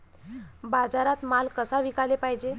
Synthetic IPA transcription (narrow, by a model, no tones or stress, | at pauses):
bad͡zaɾat̪malkəsaʋikalepaɦjd͡ʑe